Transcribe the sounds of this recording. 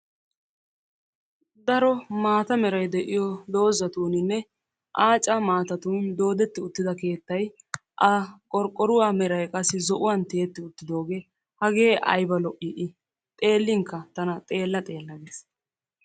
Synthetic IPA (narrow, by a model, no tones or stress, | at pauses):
d̪ɐɾɔmaːt̪ɐmɛɾɐjd̪ɛʔɪjɔd̪o̞ːzɐt̪uːnɪnːɛ | ʔaːt͡ʃʼːɐmaːt̪ɐt̪uːnd̪o̞ːd̪ɛt̪ːɪʊt̪ːɪd̪ɐke̞ːt̪ːɐj | ʔɐkʼɔɾkʼːɔɾʊwaːmɛɾɐjkʼɐsːɪzɔʔʊwɐnt̪eːt̪ːɪʊt̪ːɪd̪o̞ːɡeː | hɐɡe̞ːʔɐ̰jbɐlɔʔɪʔɪ | t̪ʼe̞ːlːɪŋkːɐt̪ɐnɐt̪ʼe̞ːlːɐt̪ʼe̞ːlːɐɡes